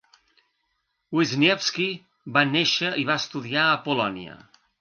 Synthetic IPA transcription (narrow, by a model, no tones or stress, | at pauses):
wizniɛfski | βaneʃəiβaəst̪uðiaəpulɔniə̰